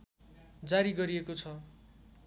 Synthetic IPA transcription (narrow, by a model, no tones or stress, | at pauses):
d͡zaɾiɡʌɾiekot͡sʰʌ